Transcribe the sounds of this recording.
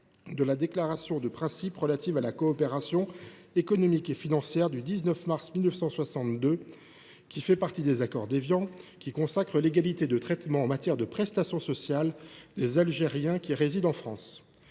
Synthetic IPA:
d̪əlad̪eklaʁasjɔ̃d̪əpχɛ̃sipʁəlat̪ivalakɔːpeʁasjɔ̃ | ekɔnɔmikefinɑ̃sjɛʁd̪yd̪iznœfmaʁsmilnəfsɑ̃swasɑ̃t̪d̪ø | kʲifɛpaʁt̪id̪ezakɔʁd̪evjɑ̃kʲikɔ̃sakχəleɡalit̪ed̪ət̪χɛt̪mɑ̃ɑ̃mat̪jɛʁd̪əpχɛst̪asjɔ̃sɔsjald̪ezalʒeʁjɛ̃kʲiʁezid̪ɑ̃fχɑ̃s

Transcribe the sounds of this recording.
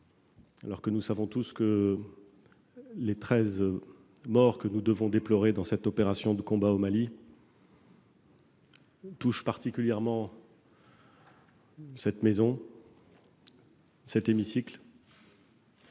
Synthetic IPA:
alɔʁkənusavɔ̃t̪uskə | let̪χɛz | mɔʁkənud̪əvɔ̃d̪eplɔʁed̪ɑ̃sɛt̪ɔpeʁasjɔ̃d̪əkɔ̃baomali | t̪uʃpaʁt̪ikʲyljɛʁmɑ̃ | sɛt̪mezɔ̃ | sɛt̪emisikl

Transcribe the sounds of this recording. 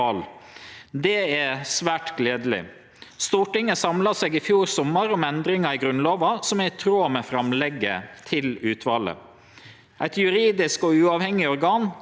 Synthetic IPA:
ɑːl | d̪ɛæsʋæːʈɡleːd̪əlɪ̰ | st̪uːʈɪŋːəsɑmlɑseːɡɪfjuːɾsɔmːəɾɔmɛnd̪ɾɪŋɑɪɡɾʉnloːʋɑsɔmæt̪ʰɾoːmɛfɾɑmlɛɡːə̰t̪ʰɪlʉːt̪ʰʋɑːlə̰ | ʔæɪt̪jʉɾiːd̪ɪskɔʉːɑːʋhɛŋːɪɔɾɡɑːn

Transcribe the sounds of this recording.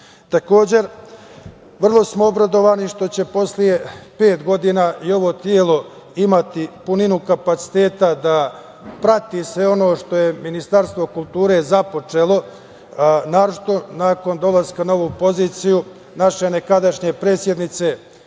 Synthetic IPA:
t̪ako̞ːd͡ʑe̞ɾ | ʋr̩lˠo̞smo̞obɾad̪o̞ʋaːniʃt̪o̞t͡ɕe̞po̞slije̞pe̞ːt̪ɡo̞d̪inaːʔio̞ʋo̞t̪jelo̞ | imat̪ipuninukapat̪si̥t̪e̞ːt̪ad̪a | pɾat̪iːsʋe̞o̞no̞ːʃt̪o̞je̞minist̪aɾst̪ʋo̞kulˠt̪uːɾe̞ːzapo̞t͡ʂe̞lˠo̞ | naːɾot͡ʃit̪o̞naːko̞nd̪o̞laskanaoʋuːpo̞ziːt̪siju | naʃe̞ne̞kad̪aʃɲe̞pɾe̞t̪sje̞d̪nit̪se̞

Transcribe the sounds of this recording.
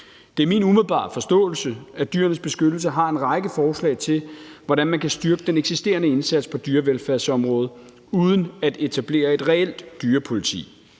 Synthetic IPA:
d̥e̝æɐminumeð̞̩ˠb̥ɑ̰̈ːfɒ̽sd̥ɔ̰̽ːl̩səæd̥yːɐnəsb̥e̝sɡ̥ød̥l̩səɦɑ̈e̝nʁɑ̈ɪɡ̥əfɒːslɛ̰ɪt͡sʰe̝lʋɒd̥ænmænkʰæsd̥yɐɡ̥əd̥eneɡ̥sisd̥e̝̰ɐnəe̝nsæd̥spʰɒ̽d̥yːɐʋelfæɐ̰sɒ̽mʁɔ̽ːð̞ˠ | uð̞ˠən̩æd̥e̝t͡sʰæb̥le̝̰ːɐe̝d̥ʁɛel̰d̥ːyːɐpʰo̝lit͡sʰḭː

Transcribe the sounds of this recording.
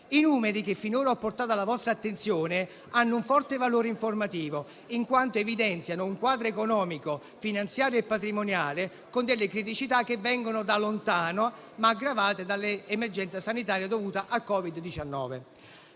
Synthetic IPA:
inuːmeɾik̟efːinoːɾaɔpːort̪aːt̪alavɔst̪ɾaːt̪ːent̪sjoːnɪ | anːʊuɱfɔrt̪evaloːɾeiɱformat̪iːvo | iŋkwant̪oevid̪ɛnt̪sjanʊuŋkwaːd̪ɾoekonɔːmiko | finant̪sjaːɾjoepːat̪ɾimonjaːlɪ | kond̪elːɪkɾit̪̬it͡ʃit̪akːevːɛŋɡonʊd̪alont̪aːno | maːɡɾavaːt̪ed̪alːɪːmerd͡ʒɛnt̪sasanit̪aːɾjad̪ovuːt̪aʔakːɔːvid̪ːit͡ʃanːɔ̰ːve

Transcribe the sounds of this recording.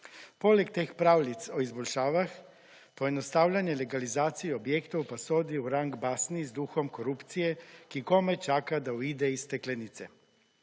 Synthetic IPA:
poːlɛkt̪eːxpɾaːwlit̪sɔizbɔlʃaːʋax | pɔjɛnɔst̪aːwlʲanjɛlɛɡalizaːt̪sijɛɔbjeːkt̪ɔwpasoːd̪iuɾaŋɡbaːsnizd̪uxɔmkɔɾupt̪sijɛkikoːmɛt͡ʃaːkad̪auiːd̪ɛist̪ɛklɛnit̪sɛ

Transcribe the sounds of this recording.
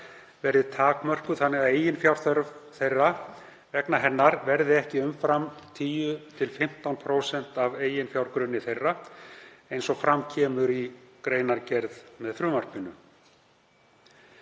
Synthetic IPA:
vɛɾðɪt̪ʰaːkmœr̥kʏθanːɛɣaðeːjɪnfjawɾ̥θœɾvθejrːa | vɛknaɦɛnːaɾvɛɾðɪɛhcɪʏmfɾamt̪ʰiːjʏt̪ʰɪlfɪm̥t̪awnpʰɾoːwsɛnt̪aveːjɪnfjawɾkɾʏnːɪθejrːa | ejnsɔɣfɾamcʰɛːmʏɾikɾeːjnaɾcɛɾðmɛðθɾʏːmar̥pɪnʏ

